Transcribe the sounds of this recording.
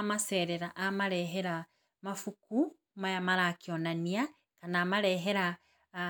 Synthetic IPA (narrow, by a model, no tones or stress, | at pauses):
maseːɾeɾaʔamaɾeɦeɾa | mafuku | majamaɾakionania | kanamaɾeɦeɾa